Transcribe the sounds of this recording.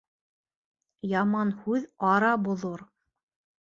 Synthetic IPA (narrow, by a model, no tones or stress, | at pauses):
jɑmɑnhʉðɑɾɑbŏðoɾ